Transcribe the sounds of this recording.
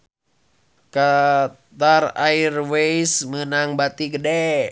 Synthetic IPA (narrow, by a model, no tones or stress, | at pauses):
ka | t̪arairwejsmənaŋbat̪iɡədɛ